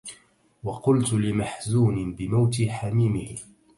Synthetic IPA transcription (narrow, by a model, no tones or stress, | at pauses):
wɑqʊlt̪lɪmaħzuːnɪbɪmawt̪ɪħamiːmɪh